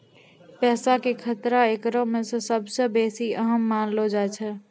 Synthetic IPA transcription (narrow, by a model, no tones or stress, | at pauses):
pɛsakekʰət̪ɾaekɾomesə̃səbʱsə̃besiəɦəmːanlod͡ʒajt͡ʃʰɛ